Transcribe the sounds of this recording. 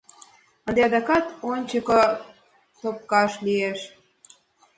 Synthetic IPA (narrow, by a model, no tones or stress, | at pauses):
ə̆nd̪eɑd̪ɑkɑt̪onʲt͡ɕəko | t̪op̚kɑʃlieʃ